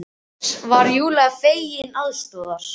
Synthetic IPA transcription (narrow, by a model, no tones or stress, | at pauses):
svaɾjuːlɛɣafeːjjɪnaðst̪ɔːðaɾ̥